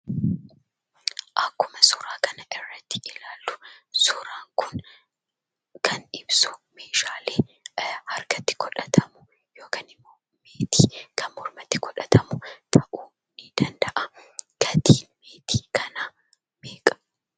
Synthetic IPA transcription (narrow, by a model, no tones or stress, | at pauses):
ʔɐkːʊmɐsʊɾaːkɐnɐʔɪrːɐt̪ːɪ̥ɪlaːlːʊ̥sʊɾaːŋkʊn | kʰɐnᶑɪbsʊ̥meːʃaːleːhɐɾkɐt̪ːɪ̥kʰɔᶑɐt̪ʰɐmʊ | joːkanɪmːoː | meːt̪iːkʰɐnmʊɾmɐt̪ːɪkɔᶑɐt̪ɐmʊt̪ʰɐʔuː | nɪd̪̥ɐnd̪ɐʔɐɡ̥ɐd̪iːnmeːt̪ʰiːkɐnaː | meːkʼɐ̥